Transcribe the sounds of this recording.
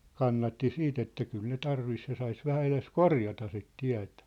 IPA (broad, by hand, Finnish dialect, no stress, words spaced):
kɑnːɑtːi siːt etːæ kyl ne tɑrʋis jɑ sɑis ʋæhæ eles korjɑtɑ sit tiæ̝tæ̥